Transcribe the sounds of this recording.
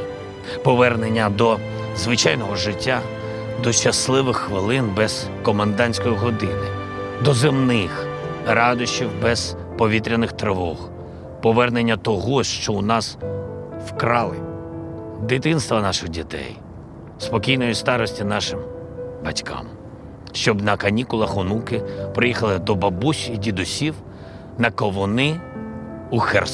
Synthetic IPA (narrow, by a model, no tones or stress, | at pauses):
pɔʋɛrnenʲːɐd̪ɔ | zʋɪt͡ʃɑjnɔɦɔʒɪtʲːa | d̪ɔʃt͡ʃɐslˠɪʋɪxːʋɪlˠɪnbɛz̥ | kɔmɐnd̪ɑnʲsʲkɔjiɦɔd̪ɪnɪd̪ɔzemnɪxɾɑd̪ʊʃt͡ʃiwbɛz̥ | pɔʋʲit̪ɾʲɪnɪxt̪ɾɪʋɔx | pɔʋɛrnenʲːɐt̪ɔɦɔʃt͡ʃɔʊnɑs | wkɾɑlˠɪ̰ | d̪ɪt̪ɪnst̪ʋɐnɑʃɪɣdʲit̪ɛ̰j | spɔkʲijnɔjist̪ɑɾɔsʲtʲinɑʃɪmbɐtʲkʰɑ̰m | ʃt͡ʃɔbnɐkɐnʲikʊlˠɐxɔnukɪpɾɪjixɐlˠɪd̪ɔbɐbuʃidʲid̪ʊsʲiw | nɐkɔʋɔnɪ | uxɛ̰rs